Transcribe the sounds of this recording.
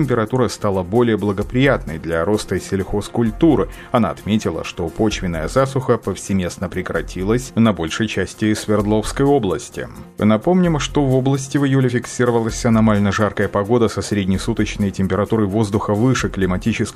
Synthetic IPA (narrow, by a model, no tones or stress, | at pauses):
tʲɪmpʲɪɾɐt̪uɾəst̪alˠəbo̞lʲɪjəblˠəɡəpɾʲɪjat̪nəjd̪lʲɐɾo̞st̪əsʲɪlʲxoskʊlʲt̪uɾɨ | ɐna̰ɐt̪mʲetʲɪlˠə̰ʂt̪o̞po̞t͡ɕvʲɪnːəjəzasʊxəpəfsʲɪmʲe̞snəpɾʲɪkɾɐtʲʰilˠəsʲnɐbo̞lʲʂəjt͡ɕæsʲtʲɪsvʲɪrd̪lˠo̞fskəjo̞blˠəsʲtʲɪ̰ | nɐpo̞mnʲɪmʂt̪o̞vo̞blˠəsʲtʲɪvɨjulʲɪfʲɪksʲiɾəvəlˠəsʲɐnɐmalʲnəʐarkəjəpɐɡo̞d̪əsɐsɾʲɪdʲnʲɪsut̪ət͡ɕnəjtʲɪmʲpʲɪɾɐt̪uɾəjvo̞zd̪ʊxəvɨʂɨklʲɪmɐtʲit͡ɕɪsk